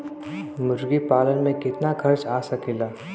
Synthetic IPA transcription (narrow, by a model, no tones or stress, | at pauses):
mʊɾɡipaːlənmẽkɪt̪nakʰɐɾt͡ʃaːsakɪlaː